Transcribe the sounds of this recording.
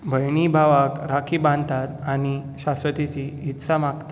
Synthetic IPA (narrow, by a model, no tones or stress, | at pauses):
bʱəjnibʱaʋakɾakʰibãnd̪t̪at̪aɽ̃iɕasʋət̪it͡siːt̪samakt̪